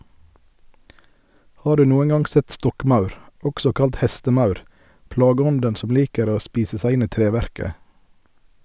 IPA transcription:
ˈhɑː ˈdʉː ˈnuːən ˈɡɑŋ ˈsɛt ˈstɔkˌmɑʉɾ ˈɔɡsɔ ˈkɑlt ˈhɛstəˌmɑʉɾ ˈplɑːɡəˌɔndən ˈsɔm ˈliːkəɾ ˈoː ˈspiːsə ˈsæɪ ˈɪn ˈiː ˈtɾeːˌʋæɾkə

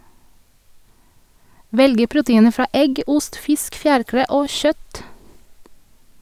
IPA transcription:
ˈʋɛlɡə ˈpɹʊtəˌiːnə ˈfɹɑː ˈʔɛɡ ˈʊst ˈfɪsk ˈfjæːɹˌkɾeː ˈʔoː ˈʃœt

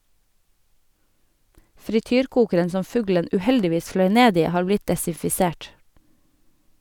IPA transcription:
fɾɪˈtyːɾˌkuːkəɾən ˈsɔm ˈfʉɡlən ʉːˈhɛldɪˌʋiːs ˈflœʏ ˈneːd ˈiː ˈhɑːɾ ˈblɪt dɛsɪfɪˈseːʈ

